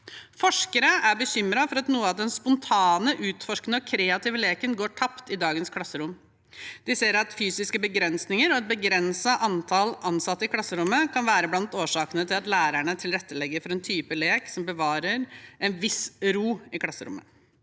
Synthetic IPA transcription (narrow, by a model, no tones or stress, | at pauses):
fɔʂkəɾəʔæɾbəçʏmɾɑfɔɾɑt̪nuːəɑʋd̪ɛnspʊnt̪ʰɑːnəʔʉːt̪fɔʂknəɔkʰɾeːɑt̪ʰɪʋəleːkənɡoːʈʰɑpt̪ɪd̪ɑːɡənskʰlɑsːəɾʊm | d̪̥ɪseːɾɑt̪fyːsɪskəbəɡɾɛnsnɪŋəɾɔɛt̪̚bəɡɾɛnsɑʔɑnt̪ʰɑlʔɑnsɑt̪ːəɪkʰlɑsːəɾʊmːəkʰɑnʋæːɾəblɑnt̪oːʂɑːkənət̪ʰɪlɑt̪læːɾæɳət̪ʰɪlɾɛt̪ːəlɛɡːəɾfɔɾɛnt̪ʰyːpəleːksɔmbəʋɑːɾəɾɛnʋɪsɾuːɪkʰlɑsːəɾʊ̰mːə̰